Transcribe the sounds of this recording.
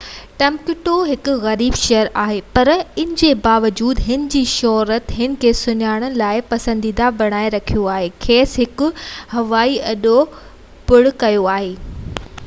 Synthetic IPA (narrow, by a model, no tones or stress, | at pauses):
ʈɐ̃mkɪʈoɦɪkʊ̆ɣɐɾiːbʃejəɾaːɦepɐɾɪ̃nɪ̃̆d͡ʑebaːʋəd͡ʑuːd̪ɦɪnɪ̆d͡ʑiːʃɔɦɾət̪ɦɪnɪ̆kʰeːsʊɲaːɽ̃əlaːɪpɐsə̃nd̪iːd̪abɐɽ̃aːeɾɐkʰijoaːɦeːkʰeːsɦɪkʊ̆hɐʋaːiɐɗo | pʊɽʊkɐjoaːɦeː